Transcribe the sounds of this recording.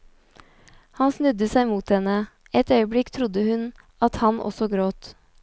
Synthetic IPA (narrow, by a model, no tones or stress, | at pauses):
hɑnsnʉd̪əsæɪmuːt̪hɛnə | ɛt̪œʏəbɽɪkt̪ʰɾʊd̪əhʉn | ɑt̪hɑnʔɔ̰sɔɡɾoːt̪